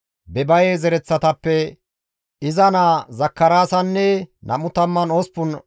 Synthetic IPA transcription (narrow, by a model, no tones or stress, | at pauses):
bɛbɐjezɛɾɛt͡sːɐt̪ɐpːɛ | ɪzɐnazɐkːɐɾaːsɐnːɛnʔɐ̰mʊt̪ɐmːɐnospːʊn